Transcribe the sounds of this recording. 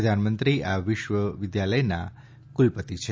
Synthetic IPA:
əd̪ʱanmənt̪ɾiaʋɪʃʋəʋɪd̪jaləjna̰ | kulpət̪it͡ʃʰe

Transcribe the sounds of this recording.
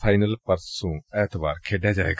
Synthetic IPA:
pʰaːɪnəlpɐɾsũːɛːt̪ʋaːɾkʰeːɖjad͡ʒa̰ːḛːɡ

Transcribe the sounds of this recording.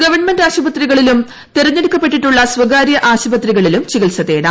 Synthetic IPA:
ɡɐʋɐrɳmendaːɕɐbɐt̪riɣɐɭilum | t̪irɐɲːe̞ɽukːɐpːe̞ʈːiʈːuɭːɐsʋɐɡaːɾjɐʔaːɕɐbɐt̪riɣɐɭilumt͡ɕiɣilsɐðeːɽɐ

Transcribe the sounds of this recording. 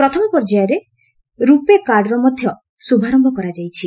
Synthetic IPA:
pɾɔt̪ʰɔmɔpɔɾd͡ʒajɔɾe | ɾupekaɾɖɔɾɔmɔd̪ʱjɔ | subʱaɾɔmbʱɔkɔɾad͡ʒajt͡ʃʰi

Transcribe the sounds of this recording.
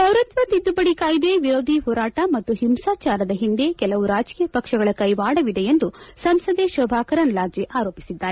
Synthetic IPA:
bʱɐwɾɐt̪ʋɐt̪id̪ːubɐɽikaːjid̪eʋiɾoːd̪ʱiɦɔːɾaːʈɐmɐt̪ːuɦimsaːt͡ʃaːɾɐd̪ɐɦind̪e̞kɛlɐʋuɾaːd͡ʒkijɐpɐkʂɐɡɐɭɐkɐjʋaːɽɐʋid̪e̞jend̪usɐmsɐd̪eʃɐbʱaːkɐɾɐnlaːd͡ʒjeʔaːɾo̞ːpisid̪ːaːɾe

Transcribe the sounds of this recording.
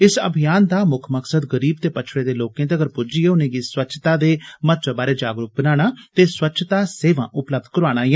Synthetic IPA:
ɪsə̰bʱɪjaːnd̪aːmʊkʰməksəd̪ɡəɾiːb̚t̪eːpətːʃʰɽeːd̪eːloːkẽːd̪eəɡəɾpʊd͡ʒiːeːʊnẽːɡiːswətːʃʰt̪aːd̪eːmət̪̚t͡ʃaːbaːɾeːd͡ʒaːɡɾʊk̚bənaːɽ̃aːt̪eːswətːʃʰt̪aːseːʋã̰ːʔʊpləb̚d̪̚kəɾaːɽ̃aːɛ

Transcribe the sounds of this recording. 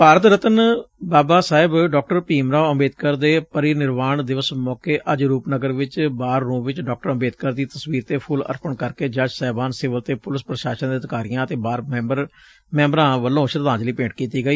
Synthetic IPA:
paːɾət̪ɾət̪ənbaːbaːsaːɪbɖɔːk̚ʈəɾpiːmɾaːʊmeːd̪̚kəɾd̪eːpəɾiːnɪɾʋaːɳd̪ɪʋəsmɔːkeːʔəd͡ʒɾuːpnəɡəɾʋɪt͡ʃbaːɾːõːʋɪt͡ʃɖɔːk̚ʈəɾəmeːd̪̚kəɾd̪iːt̪əsʋiːɾt̪eːpʰʊlə̰ɾpəɳkəɾkeːd͡ʒəd͡ʒsɛːbaːnsɪʋəlt̪eːpʊlɪspɾəʃaːʃənd̪iːət̪kaːɾɪjãːət̪eːbaːɾbəɾ | mɛ̃ːmbɾãːʋəlːõːʃəɾd̪ãːd͡ʒliːpẽːʈkiːt̪iːɡəiː

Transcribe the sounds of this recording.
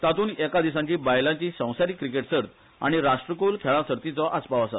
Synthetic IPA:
t̪at̪uːnɛkad̪isãɲt͡ɕiːbajlãɲt͡ɕiːsə̃w̃saɾiːkːɾikeʈsəɾt̪ | a̰ɽ̃iɾaʂʈɾəkulkʰɛɭãsəɾt̪it͡sɔʔaspaʋasa

